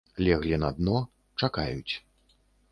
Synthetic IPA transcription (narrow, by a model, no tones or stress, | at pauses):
lʲɛɣlʲinɐd̪̚nɔ | t͡ʂakajut͡sʲ